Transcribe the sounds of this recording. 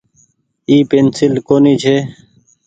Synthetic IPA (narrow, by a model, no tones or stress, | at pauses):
iːpeːnsɪlkoːniːt͡ʃʰeː